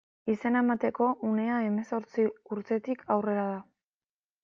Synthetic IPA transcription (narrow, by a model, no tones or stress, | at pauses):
ise̞naemat̪e̞ko̞ʔune̞ae̞me̞so̞ɾt͡siuɾt̪e̞t̪ikʰawre̞ɾaða